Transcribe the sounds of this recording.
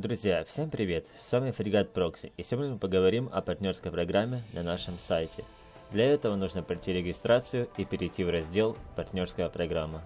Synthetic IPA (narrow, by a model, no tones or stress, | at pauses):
d̪ɾʊzʲjafsʲe̞mpɾʲɪvʲe̞t̪svamʲɪfɾʲɪɡat̪̚pɾoksʲɪ̰ɪfsʲɪvodʲmɨpəɡəvɐɾʲimɐ̰pɐrtʲnʲo̞rskəjpɾɐɡɾamʲːɪnɐnaʂɨmsajtʲʰɪ | d̪lʲɐɛt̪əvənuʐnəpɾɐtʲiɾʲɪɡʲɪst̪ɾat̪sɨjʊipʲɪɾʲɪjtʲːivrɐzʲdʲe̞lˠpɐrt̪ʲnʲo̞rskəjəpɾɐɡɾamːə